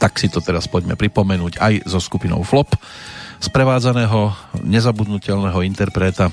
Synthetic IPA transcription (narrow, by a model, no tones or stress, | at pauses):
t̪aksit̪ɔt̪ɛɾaspɔɟmɛ̰pɾipɔmɛnuːɟajzɔskupinɔ̰ʊflɔpspɾɛʋaːd͡zanɛːɦɔɲɛzabud̪nucɛʎnɛːɦɔint̪ɛɾpɾɛːt̪a